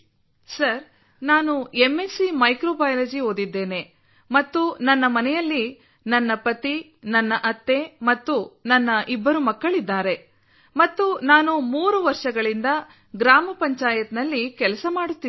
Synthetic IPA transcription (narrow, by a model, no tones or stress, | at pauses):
sɐɾ | naːnuemːesimɐjkɾoːbɐːjɐlɐd͡ʒiɦo̞ːd̪id̪ːe̞ːne̞ | mɐt̪ːunɐnːɐmɐnɛjɐlːi | nɐnːɐpɐt̪i | nɐnːɐʔɐt̪ːe̞mɐt̪ːunɐnːɐʔibːɐɾumɐkːɐɭid̪ːaːɾe̞ | mɐt̪ːunaːnumuːɾuʋɐɾʂɐɡɐɭind̪ɐ | ɡɾaːmɐpɐɲt͡ʃaːjɐt̪nɐlːikɛlɐsɐmaːɽut̪ːi